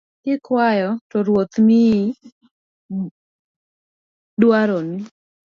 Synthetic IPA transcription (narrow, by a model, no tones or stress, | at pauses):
kɪkwajɔtɔɾwot̪nɪ | dwaɾonɪ